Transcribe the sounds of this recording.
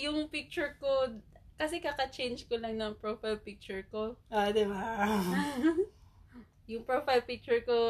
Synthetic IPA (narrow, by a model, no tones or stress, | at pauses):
jʊŋpɪk̚t͡ʃʊɹkod̪̚kɐsɛkakɐt͡ʃejnd͡ʒkolɐŋnɐŋpɹofajlpɪk̚t͡ʃʊɹkoʔod̪ɪba | jʊŋpɹofajlpɪk̚t͡ʃʊɹko